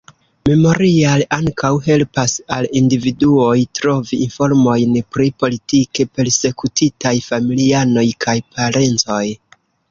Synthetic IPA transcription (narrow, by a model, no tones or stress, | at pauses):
me̞mo̞ɾialaŋkawɦe̞lpasalindividuo̞jtɾo̞viinfo̞ɾmo̞jnpɾipo̞litike̞pe̞ɾse̞kutʰitajfamiliano̞jkʰajpʰaɾe̞nt͡so̞j